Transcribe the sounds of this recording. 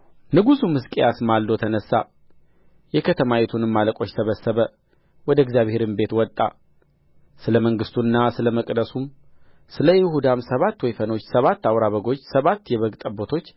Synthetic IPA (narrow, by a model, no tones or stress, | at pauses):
nɨɡusumɨskʼejasmalːot̪ʰənəsːa | jɛkʰət̪ʰəmawet̪ʰunɨmːaləkʼo̞t͡ʃːsəβəsːəβə | wɔd̪əɪɡzijaβhe̞ɾɨnbe̞t̪wɔt̪ʼːa̰ | sɨləməŋɡɨst̪ʰunːasɨləməkʼd̪əsum | sɨləjɪhud̪amsəβat̪ːwɔjfəno̞t͡ʃːsəβat̪ːawɾaβəɡo̞t͡ʃːsəβat̪ːjɛβəɡt̪ʼəbot̪ʰo̞t͡ʃː